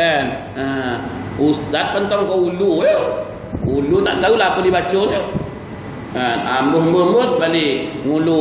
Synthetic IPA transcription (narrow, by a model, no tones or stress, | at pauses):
ən | ə | ust̪at̪̚pant̪ɔŋkɔuluə | ulut̪a̰ʔt̪aulaapədibat͡ʃono | əa̰mbəɦmbəmosbaliŋulu